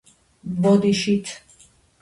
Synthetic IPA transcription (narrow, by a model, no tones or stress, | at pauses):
bɔd̪iʃit̪ʰ